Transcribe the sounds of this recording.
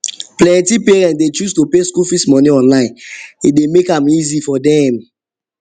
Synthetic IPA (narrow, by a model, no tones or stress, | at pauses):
plɛ̃ntipeɹɛ̃ntdet͡ʃustupeskulfismɔ̃niɔ̃nlãɪ̃nidemekãmizifɔdɛm